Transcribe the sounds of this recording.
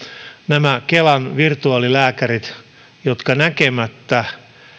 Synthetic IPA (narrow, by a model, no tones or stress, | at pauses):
næmækelɑnʋirt̪uɑːlilæːkærit̪ | jot̪kɑnækemæt̪ːæ